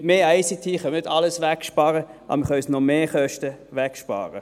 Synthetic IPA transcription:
meːaɪsitʰiːχɑmnɪdɑləsʋɛkʃpɑːʁəʔbmɪχɑysnɔmeːχœʃtəʋɛkʃpɑ̰ːɾə

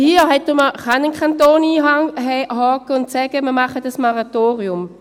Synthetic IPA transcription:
hiːɦɛtəməχanənkʰantoːniːɦaŋhɛɦɑkəʊntsɛɡ̥əməɐmɑχətəsmɔʁat̪oːʁiʊm

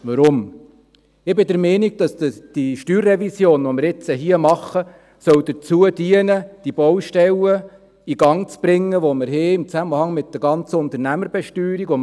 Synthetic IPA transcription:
ʋɑɾʊm | ɪbɪdɛɾmɛːniɡ̚d̥ɑsd̥iʃtyːɾːɛvisjoːnʋɔmɪɾjɪt͡səɦiəmɑχːə | sœwd̥̪əɾt͡suəd̥iənəd̥ib̥ɔwʃtɛwə | iɡ̥ɑŋt͡sb̥ɾɪŋːəʋomɪɾɦɪːɪmt͡sæməhɑŋmɪt̚d̥əɾɡɑnt͡səʊnt̪əɾnæməɾb̥ɛʃtyːɾikʋo

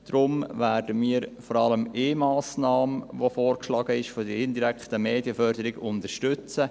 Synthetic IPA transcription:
d̥ɾʊmʋæːɾdəmiːəɾfɔɾɑləmɪːmɑːsnɑːməʋofɔːrkʃlɑːɡ̥əɪʃfɔdəɪndiɾækχt̪əmeːdiəfœɾdəɾɪɡʊndəɾʃtʉt͡sə

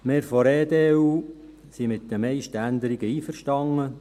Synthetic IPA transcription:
meɾfɔɾeːd̪eːuː | simɪt̪̚d̪əmeɪʃtænd̪əɾiɡəiːfəɾʃtɑŋːə

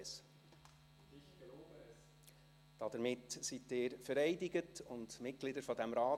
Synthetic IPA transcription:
s | d̥ɑd̥əɾmɪtsitːeːɾfəɾɛɪdɪɡətʊndmɪt̚ɡ̥lidəɾfɔdɛmɾɑː

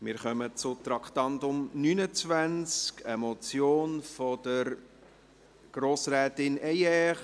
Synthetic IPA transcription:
mɪɾχœmət͡sʊt̪ɾɑkʰtɑndʊmnynət͡svænt͡skəmɔt͡sjoːnfɔd̪̥əɾ | ɡ̥ɾoːsɾɛːtɪnɛjɛχ

